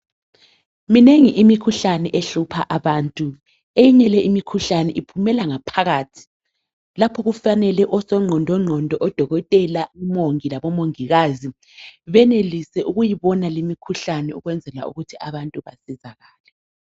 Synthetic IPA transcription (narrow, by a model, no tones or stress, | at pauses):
mineŋiʔimikʰuɬanɛʔeɬupʰaʔaβaːntʼu | ejiɲɛlɛʔimikʰuɬanɛʔipʰumɛlaŋapʰaɣaːtʰi̥ | lapʰɔɣufanɛlɛʔɔsɔŋ͡ǀʱɔndʱɔŋ͡ǀʱɔndʱɔʔɔd̥ʱɔɣɔtʼɛlaumoŋilaβɔmoŋiɣazi | βɛnelisɛʔuɣujiβɔnalimikʰuɬanɛuɣwɛnd͡zʱɛla̰ṵɣutʰiaβantʼuβasizaɣaːlɛ